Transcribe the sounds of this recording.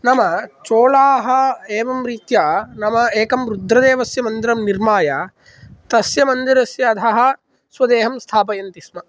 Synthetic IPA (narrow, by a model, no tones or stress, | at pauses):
nɐmɐt͡ʃoːlaːɦɐeːʋɐmɾiːt̪jaːnɐmɐeːkɐmɾud̪ʱɾɐd̪eːʋɐsjɐmɐnd̪iɾɐmniɾmaːja | t̪ɐsjɐmɐnd̪iɾɐsjɐɐd̪ʰɐɦɐ̆ | sʋɐd̪eːɦɐmst̪ʰaːpɐjɐnt̪ismɐ